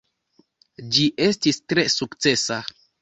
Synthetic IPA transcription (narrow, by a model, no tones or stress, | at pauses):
d͡ʒiʔe̞stistɾe̞sukt͡se̞sa